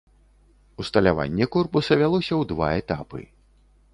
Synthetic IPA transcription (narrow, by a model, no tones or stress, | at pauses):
ust̪ɐlʲava̰nʲːɛkɔrpusɐvʲalˠɔsʲɐwd̪va̰ɛt̪apɨ̰